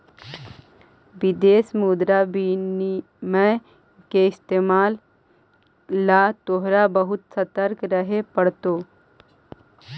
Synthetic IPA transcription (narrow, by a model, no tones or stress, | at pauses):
ʋid̪eːsmuːd̪ɾabini | mẽ | keɪst̪eːmaːl | at̪oɦɾabəɦut̪sət̪əɾkɾəɦepəɽt̪o